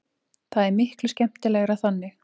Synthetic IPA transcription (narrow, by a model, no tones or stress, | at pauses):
θaðɛɾmɪhklʏscɛm̥t̪ɪlɛːɣʏɾaðθanːɪ